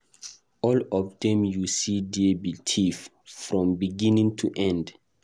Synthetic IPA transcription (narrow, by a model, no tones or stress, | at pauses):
ɔlɔfdɛ̃mjusidiebitʰif | fɹɔ̃mbiɡĩnĩŋtʰuʔɛ̃nd